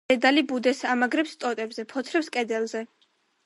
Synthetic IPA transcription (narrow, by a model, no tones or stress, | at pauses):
ɛd̪alibud̪ɛsamaɡɾɛpst̪ʼɔt̪ʼɛbzɛpʰɔt̪ʰɾɛpskʼɛd̪ɛlˠzɛ